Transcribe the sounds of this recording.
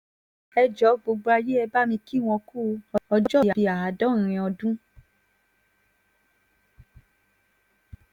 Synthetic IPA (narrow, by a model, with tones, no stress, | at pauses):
ɛ˧d͡ʒɔ˨˦ɡ͡bo˨˧ɡ͡bɾa˧je˦ɛ˧ba˦mĩ˧ki˦˨w̃ɔ̃˧ku˦˧ɔ˧ɔ˧˦d͡ʒɔ˦˧˨a˨i˧a˨a˨˦dɔ̃˦˨ɾ̃ĩ˧ɔ˧dũ˦